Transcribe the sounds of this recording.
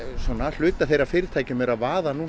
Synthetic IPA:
sɔnal̥ʏːt̪aθejɾafɪːɾɪt̪ʰajcɪmɛɾaðvaːðanu

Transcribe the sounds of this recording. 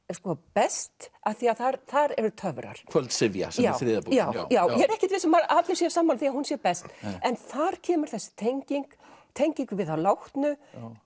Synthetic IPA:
skɔːpɛst̪aθiaθaɾθaɾɛɾʏt̪ʰœvɾa̰ɾ̥kʰvœlt̪sɪvja̰sjaɾɪːðapujaːwjaːwjjɛɛɾɛhcɪt̪vɪsɛmaɾʔat̪lɪsiasaːmːanθiahunsjɛɾpɛst̪ɛnθaɾ̥cʰɛːmʏɾ̥θɛsːɪ̥t̪ʰejɲciŋk | t̪ʰejɲciŋkʏvɪðawlawht̪nʏ

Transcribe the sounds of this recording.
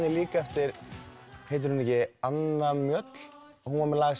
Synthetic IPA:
nɪliːkaɛft̪ɪɾ̥ | hejt̪̬ʏɾhunɛcɪanːamjœt̪l̥hunvamɛɾlaːɣs

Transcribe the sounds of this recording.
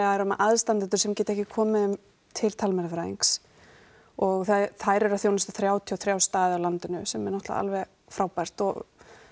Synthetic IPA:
aɛɾamʔaðst̪ant̪ɛnt̪ʏɾ̥sɛmcɛt̪ɛhcɪkʰɔːmɪʏm | t̪ʰɪlt̪ʰalmɛɾfɾaḭŋks | ɔɣθaθajɾɛɾaθjoːwnast̪ḁθɾjaːwt̪ʰiɔθɾjaːwst̪aːðɪawlant̪ɪnʏsɛmɛɾnɔht̪la̰a̰lvɛɣ | fɾaːwpajr̥t̪ɔ̰ɣ

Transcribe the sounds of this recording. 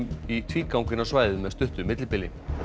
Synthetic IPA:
mit̪ʰviːkawŋcɪnasvaːjðʏmɛðst̪ʏht̪ʏmɪt̪lɪpɪlːɪ

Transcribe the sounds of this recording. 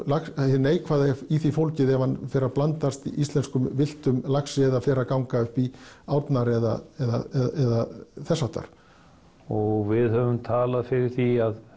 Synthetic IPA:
laxɪneːjkʰvaːðaiθifowlcɪðɛvanfɛːɾaplant̪ast̪iʔist̪lɛnskʏmvɪl̥t̪ʏmlaxsɛːðafɛːɾakawŋkaʏhpiawɾt̪naɾɛða̰ɛðaɛɛðaθɛsːawt̪a̰ɾ̥ | ɔɣvɪðɦœvʏmt̪ʰaːlaðfɪɾɪɾ̥θiað

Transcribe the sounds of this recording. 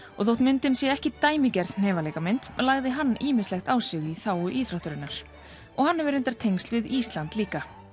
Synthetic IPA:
ɔɣθowht̪mɪnt̪ɪnsjɛɛhcɪt̪aːjmɪcɛɾðn̥ɛːvalɛjkamɪnt̪laɣðɪɦanːiːmɪst̪lɛxt̪awsɪɣiθaːwʏʔiːθɾawht̪ʏɾɪnːaɾ̥ | ɔɣhanːɛvɪɾent̪aɾ̥t̪ʰejŋst̪vɪðiːst̪lant̪liːka

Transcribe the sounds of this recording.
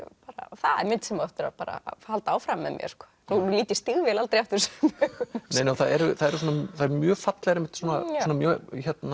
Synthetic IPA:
paːɾa̰θaðɛ̰ɾmɪnt̪sɛmaœft̪ʏɾa̰paːɾa̰halt̪aaːwfɾamːɛ̰ðmjɛ̰skɔːnunuliːt̪ɪ̥st̪ɪɣvɛːlalt̪ɾejaft̪ʏɾ̥sɛmneːjnewθaðɛɾʏθaðɛɾs̬ɔːnaθaðɛɾmjœːfat̪lɛɣaɾɛmɪht̪sɔːnaɔɔnamjœːçɛt̪na

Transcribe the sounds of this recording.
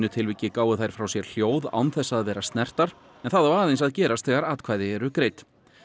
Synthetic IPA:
nʏt̪ʰɪlvicːɪkaːwʏθajɾ̥fɾawsjɛɾ̥l̥joːwða̰wnθɛsːaːðvɛːɾast̪nɛr̥t̪aɾ̥ | ɛnθaðawaːðejnsaðcɛːɾast̪θɛɣaɾaːt̪kʰvaːjðɪɛɾʏkɾeːjt̪

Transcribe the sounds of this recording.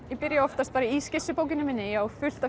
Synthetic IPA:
jɛpɪɾjaɔft̪ast̪paːɾɪiscɪsʏpoːwcɪnɪmɪnːɪjawfʏl̥t̪a

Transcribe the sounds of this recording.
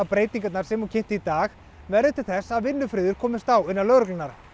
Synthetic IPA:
apɾeːjt̪niŋkat̪naɾ̥sɛmɔcʰɪm̥t̪ɪiːt̪aːx | vɛɾðʏt̪ʰɪɾ̥θɛsaðvɪnːʏfɾɪːðʏɾ̥kʰɔːmɪst̪awɪnːalœɣɾʏklʏnaɾ

